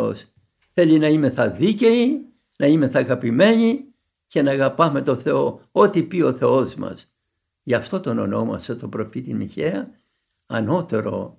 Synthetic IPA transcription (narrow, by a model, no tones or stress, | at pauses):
o̰s | θe̞linɐime̞θɐðice̞i | nɐime̞θɐɣɐpime̞ɲi | ce̞nɐːɣɐpɐme̞t̪o̞θe̞o̞o̞t̪ipio̞θe̞o̞zmɐ̰s | ʝɐft̪o̞t̪o̞no̰no̞mɐ̰set̪o̞pɾo̞fit̪imiçeɐ | ɐno̞t̪e̞ɾo̞̰